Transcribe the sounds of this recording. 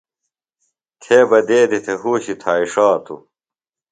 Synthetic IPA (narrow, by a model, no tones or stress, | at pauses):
t̪ʰeːbɐd̪eːd̪it̪ʰeɦuːɕit̪ʰaːiʂaːt̪ʰṵ